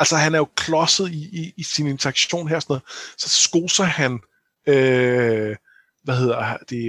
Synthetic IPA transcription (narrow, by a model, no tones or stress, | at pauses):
ælsɐɦænæɐjo̝kʰlɒ̽səð̩ˠiiːsine̝nt͡sʰɐɑ̈ɡ̥ɕo̝̰ːnɦeɐ̰sɒnɔ̽ːð̩ˠsɒ̽sɡ̥oːsɐhæn | ø | ʋæhe̝ð̞̰ˠɐd̥e̝